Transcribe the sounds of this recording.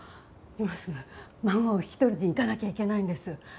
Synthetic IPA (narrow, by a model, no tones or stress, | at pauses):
imasɨamãŋɡaoçi̥t̪o̞ɾʲid̪eik̪anakʲaikʲe̞naĩnd̪e̞sɨ